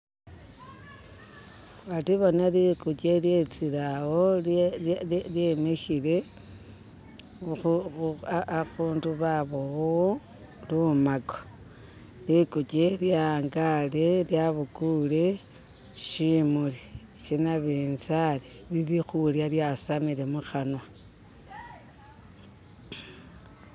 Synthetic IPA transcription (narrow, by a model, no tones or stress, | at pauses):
watiβonalikut͡ʃelje̞t͡siɾawo | ljemexile̞ | uaaɣuːnduβaβowo | lumaɡo̥ | likut͡ʃeljaŋɡaleljaβukule̞ | ʃimuli | ʃinaβenzale | lilixuljaljasamiɾe̞muxanwa